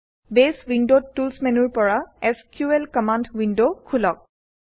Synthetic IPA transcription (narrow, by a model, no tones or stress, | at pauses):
beswindotːulsmɛnuɹpɔɹaɛskjuɛlkɔmandwindokʰulɔk̚